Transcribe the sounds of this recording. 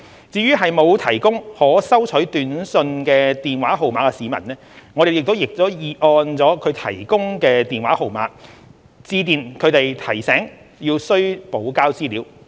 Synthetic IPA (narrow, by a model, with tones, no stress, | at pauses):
t͡siː˧ɥyː˥ɦɐ˨jmo˨˧wt̪ʰɐ˨˩jkʊ˥ŋhɔː˨˥sɐ˥wt͡ʃʰɵ˨˥ɥt̪yː˨˧nsɵ˧nkɛː˧t̪iː˨nwaː˨˥ɦo˨wmaː˨˧kɛ˧siː˨˧mɐ̰˨˩nnɛː˥ŋɔː˨˧ɾe˨jɪ˨k̚t̪o˥wjɪ˨k̚t̪o˥jiː˨ʔɔː˧nt͡sɔː˨˥kʰɵ˨˧ɥt̪ʰɐ˨˩jkʊ˥ŋkɛː˧t̪iː˨nwaː˨˥ho˨wma̰ː˨˥k̚ | t͡siː˧t̪iː˨nkʰɵ˨˧ɥt̪e˨jt̪ʰɐ˨˩jsɛː˨˥ŋ | jiː˧wsɵ˥ɥpo˨˥wkaː˥wt͡siː˥liː˨˥w